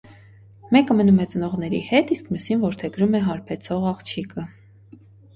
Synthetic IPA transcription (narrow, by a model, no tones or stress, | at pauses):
mɛkəmənumɛt͡sənɔʁnɛɾḭhɛt̪iskmjusinvɔɾt̪ʰɛɡɾumɛɦɑɾpʰɛt͡sʰɔʁɑχt͡ʃʰikə